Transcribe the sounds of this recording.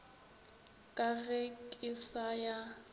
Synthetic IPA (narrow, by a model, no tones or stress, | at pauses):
kʼaɣɛkʼɪsaja